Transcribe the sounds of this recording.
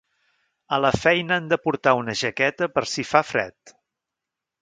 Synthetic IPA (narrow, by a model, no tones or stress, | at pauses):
ələfɛjnəand̪əpuɾt̪aunəʒəkɛt̪əpəɾsifafɾɛ̰t̪